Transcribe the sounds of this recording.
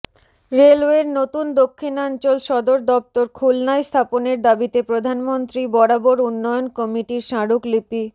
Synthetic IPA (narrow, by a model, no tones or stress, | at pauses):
ɾelweɾnot̪und̪okʰːinant͡ɕolʃɔd̪oɾd̪ɔp̚t̪oɾkʰulnajst̪ʰaponeɾd̪abit̪epɾod̪ʱanmont̪ɾibɔɽaboɾunːɔjonkɔmiʈiɾʃaɽuklipi